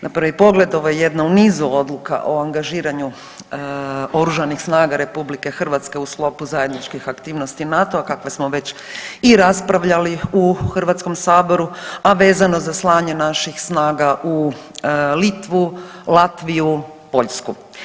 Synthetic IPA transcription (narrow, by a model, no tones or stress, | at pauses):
nʔapɾaʋipo̞ɡle̞d̪o̞ʋojeje̞d̪naunizuo̞d̪lˠuka̰ʔoaŋɡaʒiːɾaɲu | o̞ɾuʒanixsnaːɡaɾe̞publike̞xr̩ʋat̪ske̞usklˠo̞puzaje̞d̪nit͡ʃkixakt̪iːʋno̞st̪inat̪o̞akakʋesmoʋe̞t͡ɕiɾaspɾaʋʎaliuxr̩ʋat̪sko̞msaːbo̞ɾuaʋe̞ːzano̞zaslˠaːɲe̞naʃixsnaːɡaʔu | lit̪ʋulˠat̪ʋiju | po̞ʎsku